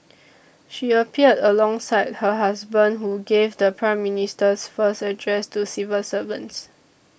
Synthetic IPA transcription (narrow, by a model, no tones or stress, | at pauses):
ʃiəpʰiədəlɔ̃ŋsaɪd̚həɦasbə̃ndɦuɡevdəpʰɹãɪ̃mːinistəsfəstədɹɛstusivəlsəvə̰̃nts